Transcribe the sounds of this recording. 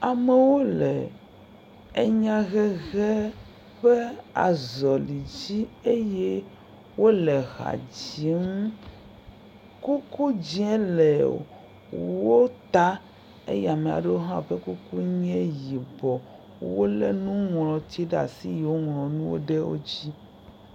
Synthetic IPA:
a˨mɛ˨wo˦lɛ˨ | e˦ɲã˦ɣɛ˦ɣɛ˦ | ɸɛ˦a̰˨zɔ˨li˨d͡ʑi˦e˦jɛ˦ | wo˦lɛ˨ɣa̰˨d͡ʑi˨˦ŋ˦ | ku˦ku˦d͡ʑi˦ɛ˦lɛ˨ | wo˦t̪a˦ | ḛ˦jɛ˦˨a˨mẽ˨a̰˨ɖe˦wo˦ɦã˦ɸɛ˦ku˦ku˦ɲɛ̃˦ji˨bɔ˨ | wo˦lɛ˦nũ˦ŋlɔ̃˨t̪i˦ɖa̰˨si˦je˨wo˦ŋlɔ̃˨nũ˦wo̰˦ɖɛ˦wo̰˦d͡ʑi˦

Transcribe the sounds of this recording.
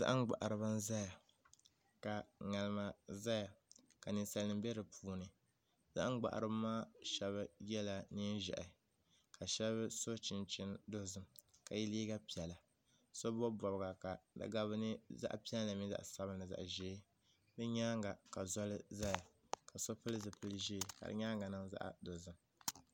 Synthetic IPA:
za̰˦ʔŋ˦ɡ͡ba̰˨ʔa˨ɾɨ˨bɨ˦n˦za˦ja˨ | ka˨ŋa˨lɨ˦ma˦za˦ja˨ka˨nɨ˨sa˨lnɨ˨mbɛ˦ɾɨ˨pʰuː˨˦nɨ˨ | za̰˦ʔŋ˦ɡ͡ba̰˨ʔa̰˨ɾɨ˦ba˦maː˦ʃɛ˨βɨ˦jɛ˦la˨ni˦n˦ʒɛ̰˨ʔɪ˨ | ka˨ʃɛ˦βɨ˦so˦t͡ʃɪ˨nt͡ʃɪ˦ndʊ˦zɨ˦mka˨ji˦liː˦ɡa˦pi˨ɛ˨la˨ | so˦bɔ˦bɔ˨bɡa˨ka˨dɨ̰˨ɡa˦βɨ˦nɨ˦za̰˦ʔpi˦ɛ˦lla˨mi˦za̰˦ʔsa˦bɨ˦nɨ˨za̰˨ʔʒɛː˦ | bɛ˦ɲaː˦ŋɡa˨ka˨zɔ˦lɨ˦za˦ja˨ | ka˨so˦pɨ˦lɨ˦zɨ˨pɨ˦lɨ˦ʒeː˦˨ha̰˦ɾɨ̰˦ɲaː˦ŋɡa˨nɨ˦ŋza̰˦ʔdo˨zɨ˦˨m

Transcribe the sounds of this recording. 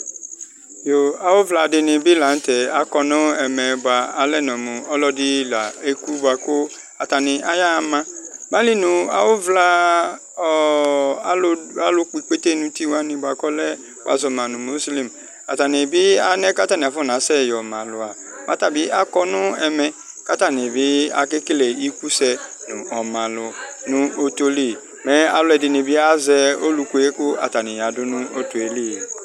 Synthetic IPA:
jo˨a˨wo˦vla˧˨dɪ˨˧nɪ̃˨bɪ˦la˨n̩˦t̪ɛ˨a˨kɔ˧nʊ̃˦ɛ˨mɛ̃˨ba˨a˨lɛ˦˨nɔ̃˨mʊ̃˨ɔ˦lɔ˦dɪ˦la˨e˦ku˦bʊ˨a˨ko˦ | a˨t̪a˨nɪ̃˨ʔa˦ja˦˨mã˦mã˦li˦nũ˨a̰˨wo˦vla˦ | a˦lo˦k͡pi˨k͡pe˦t̪e˦nũ˨t̪i˦wa˦nɪ̃˧ba˨kɔ˦lɛ˦ | wo̰˨a̰˨zɔ˨mã˨nʊ̃˨mo˦sli˦m | a̰˨ta˨nɪ̃˨bɪ˦a˦nɛ̃˦ka˦ta˦˨nɪ˨fɔ˦˨n˨ã˨˦sɛ˦˨jɔ˨mã˨lʊ˨a˨ | mʔã˦ta˨bɪ˦ʔa˦kɔ˦nʊ̃˦ɛ˨mɛ˨ | ka˦ta˦˨nɪ̃˨bɪ˦a˨kɪ˦kle˨i˦ku˦sɛ˦nʊ̃˨ʔɔ˨mã˨lʊ˨nʊ̃˦o˦to˦li˦˨ | mɛ̃˦a̰˨lʊ˦ɛ˨dɪ˨nɪ̃˨bɪ˦a˦zɛ˦o˦lu˨ku˨˦e˦kʊ˦a̰˨ta˨nɪ̃˨ja˨dʊ˦nʊ̃˦o˦tʊ˨e˨li˦˨

